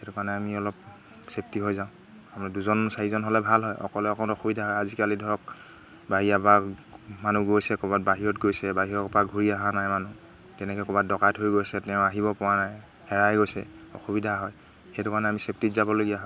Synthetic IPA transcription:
xɛtukanɛamiɔlɔp̚ | sep̚tiɦojzaʊ̃ | amɛduzɔnsaɹizɔnɦɔlɛbʱalɦɔjʔɔ̰kɔlɛɔkʰɔnɔxubidʱaɦɔjazikalidʱɔɹɔk̚ | baɦijapakmanuɡojsɛkɔbat̚baɦiɹɔtɡojsɛbaɦiɹɔkpaɡʱuɹiaɦanajmanu | tɛnɛkɛkɔbat̚dɔkatɦojɡojsɛtɛʊ̃aɦibɔpʊwanaj | hɛɹajɡojsɛ̰ɔ̰xubidʱaɦɔj | xɛjtukanɛamisep̚titzabɔloɡijaɦɔ

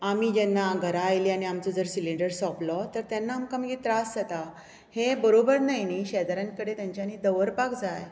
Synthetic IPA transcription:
amid͡ʑɛnːaɡʱəɾaːjliañiamt͡sɔd͡zəɾsiliɳɖəɾsɔplɔt̪əɾt̪janːaːmkamɡit̪ɾasd͡zat̪a | hebəɾobəɾnajniɕɛd̪ɾjaŋkəɽet̪jãɲt͡ɕjanid̪əʋəɾpakd͡zaj

